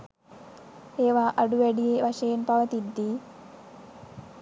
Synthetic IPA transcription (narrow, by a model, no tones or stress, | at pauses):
eːʋaːʔɐɽuʋeɽijeʋɐʃɐjnpɐʋɐt̪id̪ːi